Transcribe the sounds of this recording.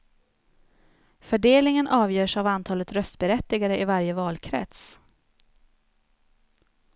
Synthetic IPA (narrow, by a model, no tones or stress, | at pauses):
fœɖeːlnɪŋənʔɑːvjœːʂavant̪ʰɑːlət̪ɾœst̪bɛɾɛt̪ːɪɡaɾəɪvaɾjəvɑːlkʰɾɛ̰t̪s